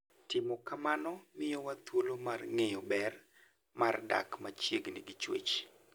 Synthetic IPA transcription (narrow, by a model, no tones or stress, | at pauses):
tɪmɔkamanɔmɪjɔwat̪wolomarŋejɔbɛr | marda̰kmat͡ʃjeɡnɪɡɪt͡ʃwḛt͡ʃ